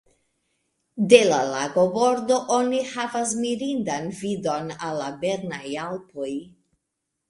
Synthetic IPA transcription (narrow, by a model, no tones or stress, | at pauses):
de̞la̰laɡo̞bo̞ɾdo̞ʔo̞nihavas̬miɾindanvido̞nalːabe̞ɾnajalpo̞j